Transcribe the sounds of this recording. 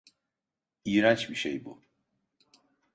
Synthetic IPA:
iːɾant͡ʃbiʃḛjbu

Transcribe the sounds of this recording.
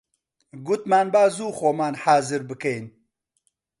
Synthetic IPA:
ɡʊt̪maːnbaːzuːxoːmaːnhaːzɨɾbɨkejn

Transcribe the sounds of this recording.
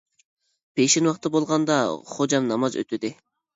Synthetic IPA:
pʰeʃinwɑqt̪ːɑbolˠʁɑnd̪ɑχod͡ʒɑmnɑmɑzø̰t̪ʰyd̪ɪ

